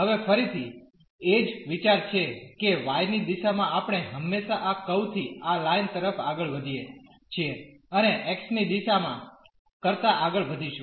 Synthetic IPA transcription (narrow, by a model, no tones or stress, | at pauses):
ɦəʋefəɾit̪ʰi | ed͡ʒʋit͡ʃaɾt͡ʃʰekeʋajnid̪iʃamãapɽ̃eɦəmːeʃaʔakəwt̪ʰialaint̪əɾəfaɡəɭʋəd̪ʱije | t͡ʃʰieəneʔɛksnid̪iʃamã̰ | kəɾt̪aʔaɡəɭʋəd̪ʱiʃu